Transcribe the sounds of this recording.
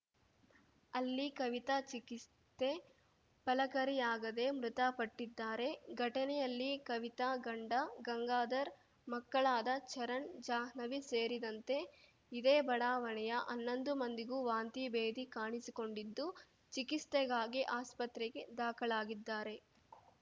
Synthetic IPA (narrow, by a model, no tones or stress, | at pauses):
ɐlːikɐʋit̪at͡ʃikis | t̪e | pɐlɐkɐɾijaːɡɐd̪e̞mɾut̪apɐʈːid̪ːaːɾe̞ɡʱɐʈɐnɛjɐlːikɐʋit̪aɡɐɳɖɐɡɐŋɡaːd̪ɐɾ | mɐkːɐɭaːd̪ɐt͡ʃɐɾɐɳd͡ʒaːɦnɐʋiseːɾid̪ɐnt̪e̞ | id̪eːbɐɽaːʋɐɳɛjɐʔɐnːo̞nd̪umɐnd̪iɡuʋaːnt̪ibeːd̪ikaːɳisiko̞ɳɖid̪ːu | t͡ʃikist̪ɛɡaːɡiʔaːspɐt̪ɾɛɡe̞d̪aːkɐɭaːɡid̪ːaːɾe̞